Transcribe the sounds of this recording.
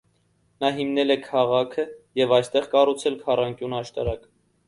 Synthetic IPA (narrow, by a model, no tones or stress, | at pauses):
nɑɦimnɛlɛkʰɑʁɑkʰəjɛvɑjst̪ɛʁkɑrut͡sʰɛlkʰɑrɑŋkjunɑʃt̪ɑɾɑk